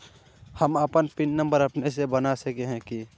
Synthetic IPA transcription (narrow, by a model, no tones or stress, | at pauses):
həməpənpɪnnə̃mbəɾəpnesebənasəkeɦɛ̃ki